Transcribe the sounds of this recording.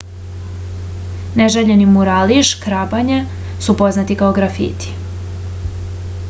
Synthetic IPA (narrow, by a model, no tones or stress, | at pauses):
neʒeʎenimuɾaːliʃkɾabaɲe | supo̞znat̪ikao̞ɡɾafḭt̪i̥